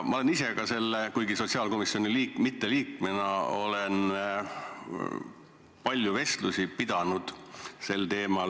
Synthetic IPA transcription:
mɑole̞nise̞kɑse̞lːekujɡiso̞t̪ʲsiɑːlko̞misio̞niliːkmit̪ːe̞liːkmenɑo̞̰len | pɑlʲjuve̞st̪lusipid̪̥ɑnud̪̥se̞lt̪e̞ːmɑl

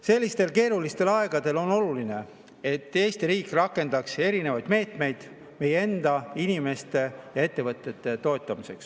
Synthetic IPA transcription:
se̞lʲːist̪e̞lke̞ːɾulist̪e̞lɑeɡ̥ɑd̪̥e̞lo̞no̞luline̞ | e̞t̪ˑːe̞ːst̪iɾiːkrɑkːe̞nd̪̥ɑkse̞ɾine̞vɑjd̪̥me̞ːt̪me̞jd̪̥ | me̞jee̞nd̪̥ɑinʲime̞st̪e̞jɑe̞t̪ːe̞vɤt̪ːˑe̞t̪ːˑe̞t̪o̞et̪ˑːɑmise̞̰ks

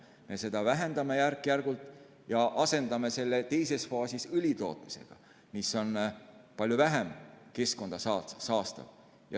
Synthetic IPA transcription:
me̞se̞d̪̥ɑvæɦe̞nd̪ɑme̞jærkːˑjærɡ̥ult̪ˑ | jɑʔɑse̞nd̪ɑme̞se̞lːe̞t̪e̞jse̞sfɑːsisylʲit̪o̞̰ːt̪ˑmi̥se̞̰ɡ̥ɑ̰ | miso̞npɑlʲjuvæɦemke̞sko̞nd̪̥ɑsɑsɑːst̪ɑ̰v | jɑ

